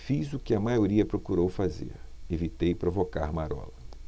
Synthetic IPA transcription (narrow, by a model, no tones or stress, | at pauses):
fizʊkɪɐmajoɾiɐpɾokuɾowfazḛɾevit̪ejpɾovoka̰ɾmaɾɔ̰lɐ